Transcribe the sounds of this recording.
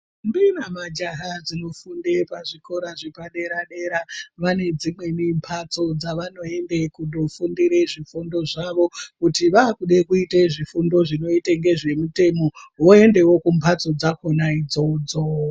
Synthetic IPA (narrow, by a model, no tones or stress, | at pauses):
mbinamad͡ʒaɦad͡zino̞fundepaʐiko̞ɾaʐipaɗe̞ɾaɗe̞ɾaʋane̞d͡zimwe̞nimpʰat͡so̞d͡zaʋano̞e̞ndekuɗofundiɾe̞ʐifundo̞ʐaʋo̞kutiʋaːkuɗekuiteʐifundo̞ʐino̞iteŋɡe̞ʐe̞mute̞mo̞woe̞nde̞wo̞kumpʰat͡so̞d͡zakonaid͡zo̞d͡zo